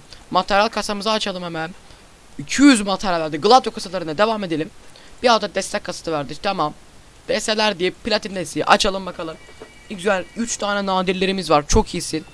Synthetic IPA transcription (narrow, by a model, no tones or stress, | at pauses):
mat̪ʰaɾjalʲˠkʰasamɯzaːt͡ʃʰalˠɯmhɛmæn | icʰyjyzmat̪ʰaɾjalʲvæɾd̪iɡɯlˠad̪jokʰasalˠaɾɯnad̪e̞vame̞d̪elʲimb̥iald̪ad̪ɛst̪ʰɛc̚kʰːasḁt̪ʰɯvæɾd̪it͡ʃt̪ʰamam | d̪̥ɛst̪ɛlʲæɾd̪ijipːʰilʲat̪ind̪esij̰ʔa̰t͡ʃʰalˠɯmbakʰalˠɯm | izænyt͡ʃt̪ʰaːnɛnaːd̪iɾlʲe̞ɾimizvaɾt͡ʃʰo̞khisin